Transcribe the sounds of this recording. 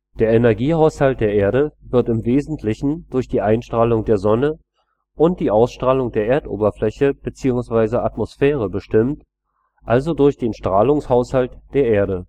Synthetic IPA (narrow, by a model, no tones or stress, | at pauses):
d̥eːɐʔɛnɛɐɡiːhaʊshalt̚d̥eːɐʔeːɐɾəvɪɐtɪmveːzn̩tʰlɪçn̩d̥ʊɐçd̥iːʔaɪnʃtʁ̥aːlʊŋdeːɐzɔnə | ʔʊnt̚d̥iːʔaʊsʃtʁ̥aːlʊŋdeːɐʔeːɐtʔo̰ːbɐflɛçəb̥ət͡siːʊŋsv̥aɪzəʔatmosfɛːʁ̞əbəʃtɪmt | ʔalzodʊɐçd̥eːnʃtʁ̥aːlʊŋshaʊshaltd̥eːɐʔeːɐɾə